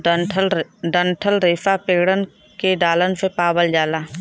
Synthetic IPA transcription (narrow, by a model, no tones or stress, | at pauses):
ʈʰɖəɳʈʰəlɾeːsapeːɡɽən | keɖaːlənsepaːbəld͡ʒaːlaː